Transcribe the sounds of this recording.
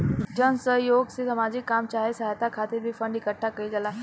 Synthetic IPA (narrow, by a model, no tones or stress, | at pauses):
d͡ʑənsəɦjoɡsisəmad͡ʑiːkːamt͡ɕaɦesəɦat̪akʰat̪iːɾbʱiːfəɳɖikəʈʰːakəid͡zala